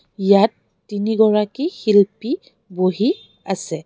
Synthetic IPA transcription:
jatː | iniɡɔɹakixilpi | boɦi | asɛ

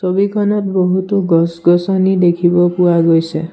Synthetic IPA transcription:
sɔbikʰɔnɔt̪bɔɦut̪ɔɡɔsɡɔsɔnid̪ekʰibɔpuaɡojsẽ

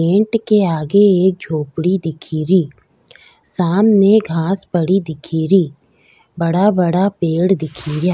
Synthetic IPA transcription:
ẽːɳʈkeaːɡeeːk̚d͡ʒʱoːpɽid̪ɪkʰiːɾiː | saːmneɡʱãːspɐɽid̪ɪkʰiːɾiː | bɐɽabɐɽapeːɽd̪ɪkʰijaː

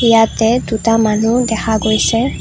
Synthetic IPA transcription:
ijatɛdutamanudɛkʰaɡojsɛ

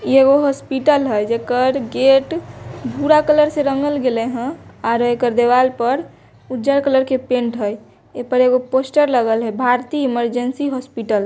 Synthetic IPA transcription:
eɡoɦɔspiʈəlɦəjd͡ʒekəɾɡeʈbʱuɾakələɾsẽɾəŋɡəlɡeleɦə̃aɾekəɾd̪eʋalpəɾ | ud͡ʒəɾkələɾkepẽɳʈɦəj | epəɾeɡoposʈəɾləɡəlɦəjbʱaɾt̪iiməɾd͡ʒənsiɦɔspiʈəl

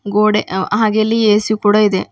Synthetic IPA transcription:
ɡoːɽeɐ̰ɦaɡelːijeːsukːuɽoiðe

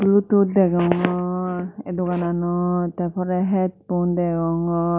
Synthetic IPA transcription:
blututdɛɡɔŋɔɛdɔɡananɔt̪apʰɔɾɛɦɛt̚bundɛɡɔŋɔ

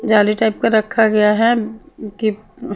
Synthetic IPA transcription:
d͡ʒaːliʈaɪp̚kaɾəkʰːaɡɐjaɦɛki

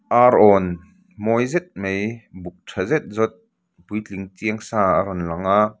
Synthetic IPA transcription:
ʔaɾɔn | mɔjzɛt̪̚mejbuk̚tʰɐzɛt̪̚zɔt̪̚ | bujt͡ɬiŋtiəŋsaːaɾɔnlɐŋa

